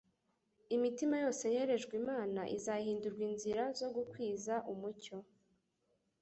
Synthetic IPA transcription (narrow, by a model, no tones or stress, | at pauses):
imitimajo̞ːse̞je̞ɾe̞ʒɡwimaːnaʔizaɦiːnduɾɡwinziɾazo̞ɡukwiːzaʔumuco̞